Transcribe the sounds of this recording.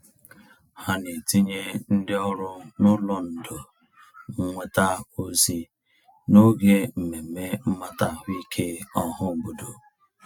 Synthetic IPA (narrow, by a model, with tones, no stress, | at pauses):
ha˨ne˨ti˦ɲe˦n̩˦dɪ˦ɔ˦ɾʊ˦nʊ˦lɔ˨n̩˨dʊ˨ | ŋ̩˨ŋʷe˦ta˦o˦zi˦ | no˦ɡe˦m̩˨me˨me˦m̩˦ma˦ta˨ɦʊ˦i˦kʰe˦ɔ˦ɦʊ˦˨bu˨do˨